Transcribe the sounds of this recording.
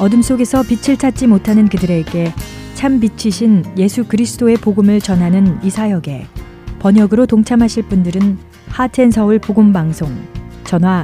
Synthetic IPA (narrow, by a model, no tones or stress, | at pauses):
ʌdɯms͈oɡe̞sʰʌpit͡ɕʰiɭt͡ɕʰat̚t͡ɕ͈imotʰanɯnkɯdɯɾe̞ɡe̞ | t͡ɕʰambit͡ɕʰiɕʰinje̞sʰukɯɾisʰɯ̥t͈oe̞poɡɯmɯɭt͡ɕʌnɦanɯnisʰajʌɡe̞ | pʌɲʌɡɯɾotoŋt͡ɕʰamɦaɕʰiɭp͈undɯɾɯn | hatʰe̞nsʰʌuɭpoɡɯmbaŋsʰoŋt͡ɕʌnwa